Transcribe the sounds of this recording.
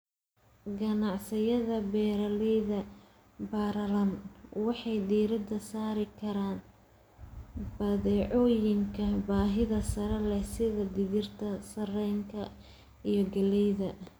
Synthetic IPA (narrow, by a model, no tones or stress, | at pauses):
ɡɐnɑʕsɪjɐðɐbɛːɾɐlɛjðɐ | baːɾɐlɐnwɑħɑjd̪iːɾɪd̪ɐsaːɾɪkʰɐɾaːn | bɐðɛːʕɔːjɪŋkʰɐbaːɦɪðɐsɐɾɐlɛsɪðɐd̪ɪðɪrt̪ʰɐsɐrɛjŋkʰɐ | ijɔɡɐlɛjðɐ